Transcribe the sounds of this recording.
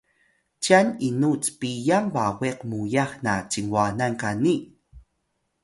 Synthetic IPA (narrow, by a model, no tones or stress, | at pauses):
t͡ʃaninut͡spijampaweqmujaχnat͡ʃiŋwanankani